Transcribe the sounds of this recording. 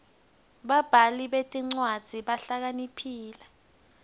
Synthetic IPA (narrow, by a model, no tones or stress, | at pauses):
ɓab̥ʱaliɓetʼiŋ͡ǀwad̥z̥ʱiɓaɬak̬anipʰiːla